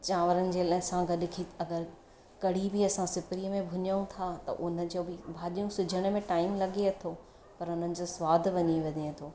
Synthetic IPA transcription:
t͡ɕaːʋəɾənɪ̆d͡ʑeːlɐɦsãɡɐɗɪkʰiɐɡəɾ | kɐɽ̤ibiɐsãsɪpɾiəmẽbʱʊɲəũt̪ʰat̪ɐ̰ʔʊnə̆d͡ʑoːbɪbʱaːɗijũsʊd͡ʑʱəɽ̃ʊ̆mẽʈaːɪmlɐɠeɐt̪ʰo | pɐɾʊn̤ənɪ̆d͡ʑosʋaːd̪ʱʋɐɲiʋɐd̪ʱeɐt̪ʰoː

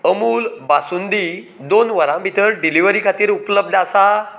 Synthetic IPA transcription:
əmuːlbasund̪i | d̪onʋəɾãmbʱit̪əɾɖiliʋəɾikʰat̪iːɾupləb̚d̪asa

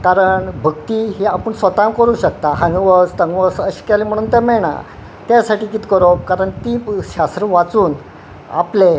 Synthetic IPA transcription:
kaɾəɳbʱəkt̪iːɦiapəɳsʋət̪amkəɾuːɕək̚t̪aɦãŋɡʋəst̪əŋɡʋəsəɕi̥kalim̤əɽ̃uːnt̪ɛmɛɽ̃a̰ | t̪jasaʈiːkiːt̪kəɾokaɾəɳt̪iɕast̪ɾəʋat͡suːn | a̰ple

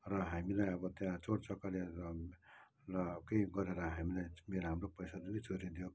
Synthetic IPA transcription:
rʌɦamilajʌbʌt̪jãt͡soɽt͡sʌkale | lʌkejɡʌɾeɾʌɦamilajmeɾoɦamropʌjsad͡zunit͡sʰoɾid̪ijo

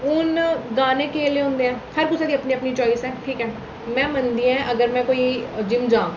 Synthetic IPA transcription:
ʊnɡaːnẽːkeːleːɦʊ̃ːnd̪eːɛ̃ːpʰəɾkʊsʰaːd̪iːəpniːəpniːt͡ʃɔːɪsɛ̃ːʈʰiːkɛː | mɛ̃ːmənd̪iːɛ̃ːʔəɡəɾmɛ̃ːkoːiːd͡ʒɪmd͡ʒãː

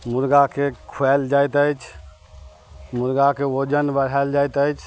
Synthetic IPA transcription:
muɾɡakekʰuɛld͡ʒajt̪əjt͡ʃʰ | muɾɡakeod͡ʒənbəɽ̤ald͡ʒajt̪əjt͡ʃʰ

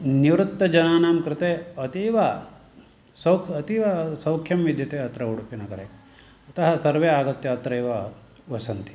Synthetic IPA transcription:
niʋɾut̪ːɐd͡ʒɐnaːnaːmkɾɪt̪eːɐt̪iːʋɐ | sɐwkʰɐt̪iːʋɐsɐwkʰjɐmʋid̪ʱjɐt̪eːɐt̪ɾɐuɽupinɐkɐɾe | ɐt̪ɐɦɐsɐɾʋeːaːɡɐt̪ːjɐɐt̪ɾɐjʋɐʋɐsɐnt̪i̥

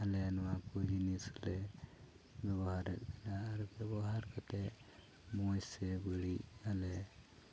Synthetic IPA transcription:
alɛnɔwakɔd͡ʒinislɛ | bɛbɔɦaɾɛt̪̚ˀbɛnaːɾɛbɛbɔɦaɾkɔt̪ɛ | mɔjsɛbəɽialɛ

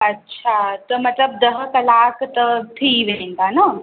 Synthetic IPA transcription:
ɐtːʃʰat̪ɐmɐt̪ləb̚d̪ɐɦkɐlaːkʰt̪ɐt̪ʰiʋeẽŋɡana

